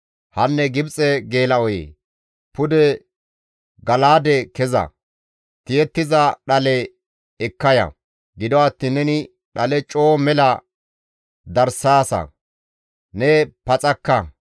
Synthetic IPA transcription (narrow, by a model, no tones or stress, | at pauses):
hɐnːɛɡɪbt͡sʼɛɡe̞ːlɐɔjḛː | pʊd̪ɛ | ɡɐlaːd̪ɛkɛzɐ̰ | t̪ɪjɛt̪ːɪzɐɗɐlɛ | ɛkːɐjɐ̰ | ɡɪd̪ɔɐt̪ːiːnːɛnɪ | ɗɐlɛt͡ʃʼo̞ːmɛlɐ | d̪ɐɾsaːsɐ̰ | nɛpɐt͡sʼɐkːɐ